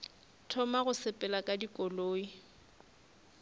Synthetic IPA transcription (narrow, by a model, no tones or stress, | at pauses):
tʰɔmaɣʊsɪpʼɛlakʼadikʼɔloːi